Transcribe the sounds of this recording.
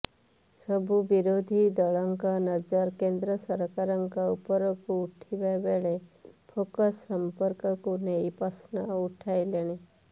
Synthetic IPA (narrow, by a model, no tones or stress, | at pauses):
sɔbʱubiɾod̪ʱid̪əɭaŋkanəd͡ʒəɾkend̪ɾəsəɾkaɾəŋkaupɔɾɔkuːʈʰibabeɭepʰokəsːəmpəɾkəkunejpasnauʈʰajleɽ̃i